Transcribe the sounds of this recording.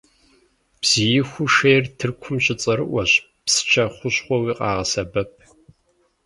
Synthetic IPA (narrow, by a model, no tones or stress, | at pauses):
b̥z̥ijɪxʷʊʃeːrtʰɨrkʷʰʊmɕʼɪt͡sʼɐɾɨʔʷɔɕ | psɨ̥t͡ʃʰɐχʷʊɕχʷɔwiːqʼɑːʁɐsɐbɐp̚ʰ